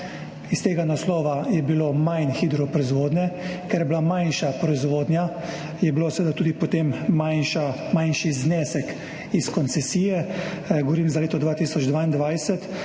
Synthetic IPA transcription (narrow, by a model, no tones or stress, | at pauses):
ist̪eːɡanaslɔːʋajɛbilomajnxiːd̪ɾɔpɾɔizʋoːd̪nʲɛkɛɾjɛblamajnʃapɾɔizʋoːd̪nja | jɛbilosɛʋed̪at̪uːd̪ipɔt̪emːajnʃa | majnʃiznɛːsɛk | iskɔnt̪sɛsiːjɛ | ɡɔʋɔɾiːmzaleːt̪ɔd̪ʋaːt̪isɔd͡ʒd̪ʋaːind̪ʋajsɛt̪